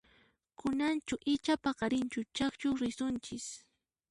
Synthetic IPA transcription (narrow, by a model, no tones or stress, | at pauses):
kʊnant͡ʃʊʔɪt͡ʃapaɢɑɾɪnt͡ʃʊt͡ʃakt͡ʃʊɾɪsʊnt͡ʃɪs